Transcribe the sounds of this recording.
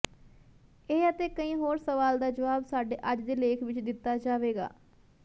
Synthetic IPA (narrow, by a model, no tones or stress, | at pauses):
eːət̪eːkəĩːɦoːɾsəʋaːld̪aːd͡ʒəʋaːbsaːɖeːʔəd͡ʒd̪eːleːkʰʋɪt͡ʃd̪ɪt̪ːaːd͡ʒaːʋeːɡa̰ː